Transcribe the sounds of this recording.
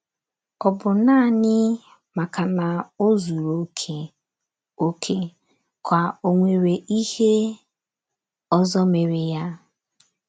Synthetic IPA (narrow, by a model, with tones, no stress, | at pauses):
ɔ˨bʊ˨naː˦˨ɲɪ˦ | ma˨ka˨na˨o˦zu˨ɾo˨˦kʰe˨ | o˦kʰe˦ | kʷa˨o˨ŋʷe˨ɾe˨ʔi˦he˦ | ɔ˦zɔ˦me˨ɾɪ˨ja˦